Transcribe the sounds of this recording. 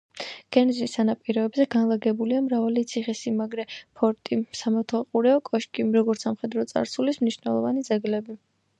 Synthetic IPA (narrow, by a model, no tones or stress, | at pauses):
ɡ̥ɛnzisanapʼiɾɔɛbzɛɡanlˠaɡɛbuliamɾavalit̪sʰiχɛsimaɡɾɛpʰɔɾt̪ʼisamaɾt̪ʰalˠqʼuɾɛɔkʼɔʃkʼiɾɔɡɔɾt̪samχɛd̪ɾɔt̪sʼa̰ɾsulismniʃnɛlˠɔvanid̪zɛɡlɛbi